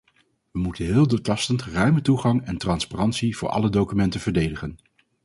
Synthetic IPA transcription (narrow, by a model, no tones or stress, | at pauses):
ʋəmutənɦɪːlˠdoːtɑstəntrœɥmətuχɑŋɛntrɑnsparɑntsiv̥ʊ̰ːɹʔɑ̰lədowkymɛntəvəɹdejdəχən